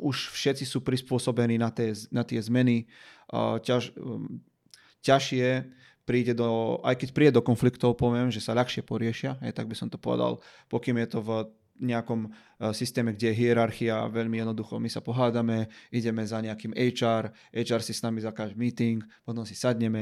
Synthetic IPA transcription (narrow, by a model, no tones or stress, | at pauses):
uʃfʃɛt͡sisuːpɾispʊɔsɔbɛniːnat̪ɛːnat̪ɪɛzmɛni | ca | caʃɪɛ | pɾiːɟɛd̪ɔa̰jkɛcpɾiːɟɛd̪ɔkɔnflikt̪ɔʊpɔʋɪɛmʒɛsaʎaxʃɪɛpɔɾɪɛʃɪaɦɛ̰jt̪aɡ̚bisɔmt̪ɔ̥pɔʋɛ̰d̪a̰lpɔkiːmjɛt̪ɔv | ɲɛakɔm | sist̪ɛːmɛɡɟɛjɛɦiɛɾaɾxiaʋɛʎmijɛd̪nɔd̪uxɔmisapɔɦaːd̪amɛiɟɛmɛzaɲɛakiːmɛjt͡ʃaːɾ | ɛjt͡ʃaːɾsisnamizakaːʒmiːt̪iŋkpɔt̪ɔmsi̥sad̪ɲɛmɛ